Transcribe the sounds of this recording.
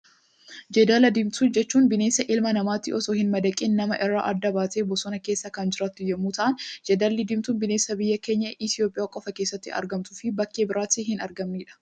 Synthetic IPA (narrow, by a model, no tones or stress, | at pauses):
d͡ʒɛd̪aːlɐd̪ɪmt̪uːnd͡ʒɛt͡ʃːuːnbɪneːsːɐʔɪlmɐnɐmaːt̪ːɪʔɔsoːhɪnmɐd̪ɐkʼiːnːɐmɐʔɪrːa̰ːʔɐd̪ːɐbaːt̪eːbɔsɔnɐke̞ːsːɐkɐnd͡ʒɪɾaːt̪ːʊjːɐmːuːt̪ɐʔɐnd͡ʒɛd̪alːɪd̪ɪmt̪uːnbɪne̞ːsːɐbɪjːɐke̞ːɲːɐʔɪt̪ɪjo̞ːpʼɪjaːkʼɔfɐkeːsːɐt̪ːɪ̰ɐ̰ɾɡɐmt̪ʊfɪbɐkːe̞ːbɪɾaːt̪ɪɦɪnɐɾɡɐmniːᶑɐ̥